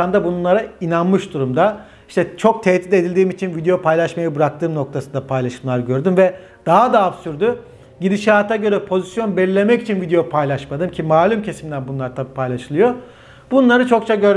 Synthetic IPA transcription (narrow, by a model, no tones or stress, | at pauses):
and̪abunnˠaɾainanmɯʃd̪uɾumd̪a | iʃt̪ʰɛt͡ʃʰo̞k̚t̪ʰɛt̪ːit̪e̞d̪ilʲd̪iːmit͡ʃʰinvid̪ejo̞pʰajlˠaʃmajɯbɯɾak̚t̪ʰɯːmno̞kt̪ʰasɯnd̪apʰajlˠaʃɯmlˠaɾɟø̞ɾd̪ymvɛ | d̪̥aɦad̪aːpsyɾd̪y | ɟid̪iʃaːt̪ʰaɟø̞ɾɛpʰo̞zisjo̞nbɛlʲilʲe̞mɛcit͡ʃʰinvid̪ejopʰajlʲˠaʃmad̪ɯmcʰimaːlʲymcʰesimlʲænbunlˠaɾt̪ʰapʰajlˠaʃɯlˠɯjo̞ | bunlˠaɾɯt͡ʃʰo̞k̚t͡ʃʰaɟøɾ